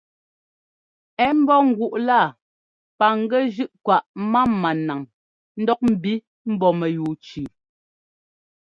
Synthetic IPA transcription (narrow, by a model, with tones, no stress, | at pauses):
ɛ˨˦m̩˦bɔ˦ŋ̩˨ɡu˨ʔla˦˨ | pa˨ŋ̩˦ɡɛ˦d͡ʒʉ˦ʔkwa˨ʔma˦mːa˨na˨ŋ | n̩˦dɔ˦k̚m̩˨bi˦ | m̩˦bɔ˨mɛ˨juː˨t͡ʃʉː˨